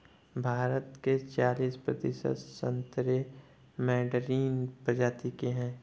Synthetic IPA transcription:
bʱaːɾət̪ket͡ʃaːliːspɾə̰d̪ɪ̰ʃə̰t̪sə̰̃nt̪ɾe | mɛːɖɾiːnpɾəd͡ʒaːt̪ikeɦɛ̃ː

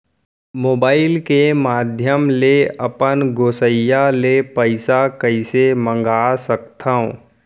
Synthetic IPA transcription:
moːbaːɪlkemaːd̪ʱjəmleɐpənɡoːsəjalepəɪsakəɪsemə̃ŋɡaːsəkt̪ʰaõ

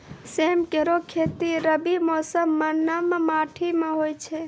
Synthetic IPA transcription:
semkeɾokʰet̪iɾəbimɔsəmːənːammaʈʰimẽɦojt͡ʃʰe

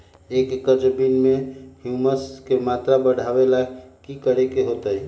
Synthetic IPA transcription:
ekːəd͡ʒbinmehjuməskemat̪ɾabəɽ̤ʱabelaɡkikəɾekeɦot̪əi

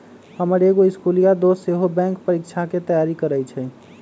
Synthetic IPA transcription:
həməɾeɡoiskulijad̪oseɦobɛ̃ŋk̚pəɾik̚t͡ʃʰaket̪əjaɾikəɾəjt͡ʃʰɛ

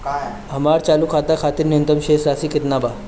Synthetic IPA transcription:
k | ɦəmaɽt͡ɕalukʰat̪akʰat̪iːɾniənt̪əmɕesɾasiːkit̪naba

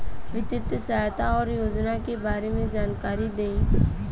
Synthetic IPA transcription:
ʋɪt̪ɪt̪sat̪aɔːɾjoːd͡ʒnakebaːɾemẽd͡ʒaːnkaːɾid̪eĩː

